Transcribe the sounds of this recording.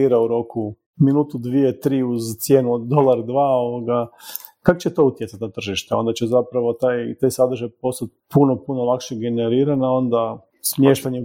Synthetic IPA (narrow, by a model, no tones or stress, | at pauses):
iɾauɾo̞ku | minuːt̪ud̪ʋiet̪ɾiːuzt̪sje̞ːnuod̪d̪o̞lˠaɾd̪ʋaːoʋoɡa | kako̥t͡ɕet̪o̞ut̪jetsat̪ʲnat̪r̩ʒiʃt̪eo̞̰nd̪at͡ɕezapɾaʋo̞t̪ajt̪ajsad̪ɾ̩ʒajpo̞st̪at̪̚puno̞punolˠakʃeɡe̞neɾiːɾanao̞nd̪a | smjeʃt̪aɲe